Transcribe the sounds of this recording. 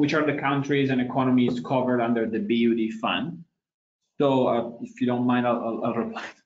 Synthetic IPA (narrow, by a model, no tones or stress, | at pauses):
wɪt͡ʃə˞ðɨkʰãʊ̃ntʰɹizɨ̃nɨkʰɔnəmizkʰʌvə˞ɾʌ̃ndə˞ðɨbiudifʌ̰̃nd | soʊʌɪfjɨɾõʊ̃nmãɪ̃ndəəəlˠɹɪpʰl̥aɪ